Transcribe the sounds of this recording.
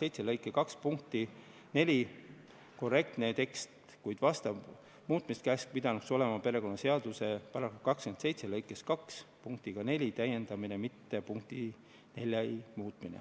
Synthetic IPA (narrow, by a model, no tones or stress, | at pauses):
se̞jt̪selɤjkːˑekɑkspuŋk̚t̪ˑi | ne̞lʲi | ko̞re̞k̚t̪ne̞t̪e̞kst̪ | kujd̪̥vɑst̪ɑb | muːt̪mist̪kæsk̚pid̪ɑnukso̞le̞mɑpe̞ɾe̞ko̞nːɑse̞ɑd̪use̞pɑɾɑkːukɑkskense̞jt̪se̞lɤjkːˑe̞skɑkspuŋk̚t̪iɡ̥ɑne̞lʲit̪æje̞nd̪̥ɑminemit̪ːe̞puŋkt̪i | ne̞lʲjɑimuːt̪ˑminḛ